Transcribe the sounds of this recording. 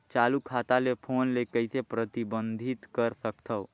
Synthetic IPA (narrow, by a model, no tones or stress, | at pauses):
t͡ʃaːlukʰaːt̪alepʰoːnlekəɪsepɾət̪ibə̃nd̪ʱɪt̪kəɾsəkt̪ʰəː